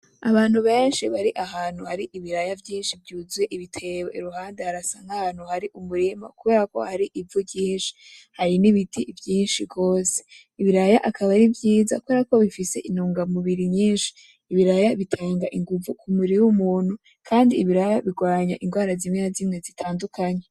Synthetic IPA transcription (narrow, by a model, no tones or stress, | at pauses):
aβaːn̥huβeːnʃiβaɾiʔaɦaːn̥uhaɾiʔiβiɾajavjiːnʃivjuːzweʔiβitʰe̞woiɾuhaːndeaɾasaŋɡahaːn̥huhaɾiʔumuɾima̰kuβe̞ːɾako̞̰haɾiʔivujiːnʃi̥haɾiniβitʰivjiːnʃiɡo̞ːse̥ | iβiɾajaʔakʰaβaɾivjiːza̰kuβe̞ɾako̞βifise̞ʔinuːŋɡamuβiɾiɲɲiːnʃi̥ː | βiɾajaβitʰaːŋɡaʔiŋɡuvukʰumiɾiwumuːn̥hu | kʰaːndiːβiɾajaβiɡwaːɲa̰ʔiŋɡwaːɾazimŋeazimŋe̞zitʰaːndukaɲe